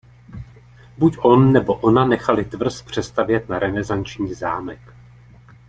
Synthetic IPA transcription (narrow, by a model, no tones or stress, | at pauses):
bucʔo̞nːɛbo̞ʔo̞nanɛxalɪt̪vr̩spr̝̥ɛst̪avjɛt̪naɾɛnɛzant͡ʃɲiːza̰ːmɛk